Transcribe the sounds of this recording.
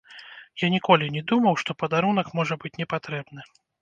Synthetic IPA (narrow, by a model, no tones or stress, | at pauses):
janʲikɔlʲinʲɛd̪umɐwʂt̪ɔpɐd̪aɾunɐkmɔʐɐbɨt͡sʲnʲɛpat̪ɾɛbnɨ